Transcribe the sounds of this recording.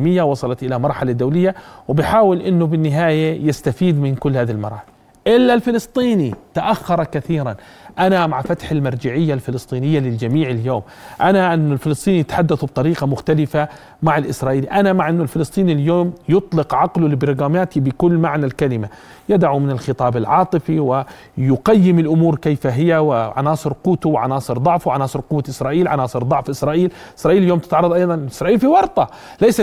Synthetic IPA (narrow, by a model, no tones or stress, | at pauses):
mɪjːawɑsˤɑlɑt̪ʔɪlamɑɾˤħalad̪awlɪjːawɪbɪħaːwɪlʔɪnːʊbɪnːɪɦaːjajɪst̪afiːd̪mɪnkʊlːhaːðilmɑ̰ɾˤːħl | ʔɪlːalfɪlɨst̪ˤiːnit̪aʔaxːɑɾˤɑkaθiːɾan | ʔanamaʕfat̪ħalmɑɾˤd͡ʒaʕɪjːalfɪlɨst̪ˤiːnɪjːalɪld͡ʒamiːʕɪljoːm | ʔanaʔɪnːʊlfɪlɨsˤt̪ˤiːnijɪt̪ħad̪ːaθb̚t̪ˤɑɾiːqɑmʊxt̪alɪfa | maʕalʔɪsɾˤɑːʔiːliʔanamaʕʔɪnːʊlfɪlɨsˤt̪ˤiːniljoːmjʊt̪ˤlɪqʕɑqlulɪbɾɣaːmaːt̪ibɪkʊlːmaʕnalkalɪma | jad̪aʕumɪnɪlxɨt̪ˤɑːbɪlʕɑːt̪ˤɨfiwɪ | jʊqajːɪmɪlʔʊmuːɾkejfaɦɪjawɪʕa̰nɑːsˤɨɾquːt̪uwɪʕɑ̰nɑːsˤɨɾd̪ˤʊʕfuwʕanɑːsˤɨɾqʊwːaʔɪsɾˤɑːʔiːlʕa̰nɑːsˤɨɾd̪ˤʊʕfʔɪsɾˤɑːʔiːl | ʔɪsɾˤɑːʔiːljoːmt̪ɪ̥t̪ʕɑɾˤɑðˤʔɑjðˤɑnlʔɪsɾˤɑːʔiːlfiwɑɾˤt̪ˤɑ | lajsa